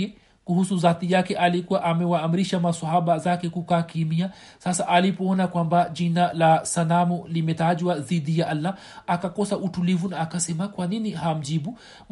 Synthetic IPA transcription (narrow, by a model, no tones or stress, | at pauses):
ɛ | kuhusuðaθijakɛʔalikuwaʔamɛwaːm̩ɾiʃamaswaɦaɓazakɛkukaːkimia | sasaʔalipɔɔnakwambaʄinalasanamɔlimɛtaʄwaðiɗijaʔalːa | akakɔsaʔutulivunaːkasɛmakwaniniham̩ʄiɓu | m